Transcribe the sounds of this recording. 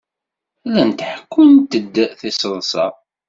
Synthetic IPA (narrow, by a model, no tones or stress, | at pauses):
ælænt̪ħə̥kːʊnt̪əd̪ːəθisəðˤsɑ̰